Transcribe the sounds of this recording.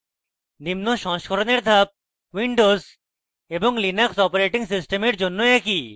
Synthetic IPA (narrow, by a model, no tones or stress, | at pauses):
nimnoʃɔŋʃkʰoɾoneɾd̪ʱap̚ | wiɳɖoz | eboŋlinaksɔpoɾeʈiŋsisʈemeɾd͡ʑonːoɛki